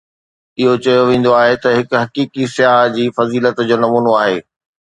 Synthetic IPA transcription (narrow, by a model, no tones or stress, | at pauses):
ɪɦot͡ɕɐjoʋẽːn̆d̪oaːɦet̪ɐɦɪkɦɐkiːkisɪjaːɦd͡ʑiːfɐziːlət̪d͡ʑoːnɐmuːnoaːɦeː